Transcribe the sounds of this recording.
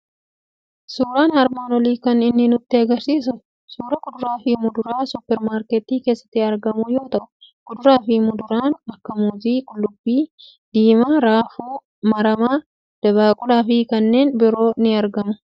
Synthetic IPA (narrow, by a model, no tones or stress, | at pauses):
suːɾaːnɐɾmaːnwɐliːkɐnɪnːɪnʊt̪ːɪɐɡɐɾsiːsʊ | suːɾɐkʼʊd̪ʊɾaːfɪmʊd̪ʊɾaːsʊpːɛɾmaːɾkɛt̪iːke̞ːsːɐ̥t̪ːɪɐɾɡɐmʊjo̞ːt̪ɐʔʊkʊd̪ʊɾaːfɪmʊd̪ʊɾaːnɐkːɐmuːziːkʼʊlːʊbːiː | d̪̥iːmaːɾaːfuː | mɐɾɐmaː | d̪̥ɐβaːkʼʊlaːfɪkɐnːe̞ːnbɪɾo̞ːnɪɐɾɡɐmʊ